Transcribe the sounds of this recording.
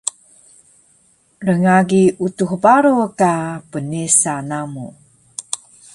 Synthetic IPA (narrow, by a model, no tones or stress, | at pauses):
rəŋaɡiutuhəbaɾukapənisanamu